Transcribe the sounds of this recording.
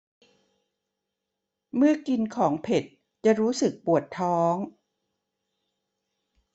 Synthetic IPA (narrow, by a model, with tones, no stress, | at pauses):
mɯ˥˩ɐki˧nkʰɔː˩˦ŋpʰe˨˩t̪̚ | t͡ɕa˨˩ɾuː˦˥sɯ˨˩k̚pu˨˩ət̪ʰːɔː˦˥ŋ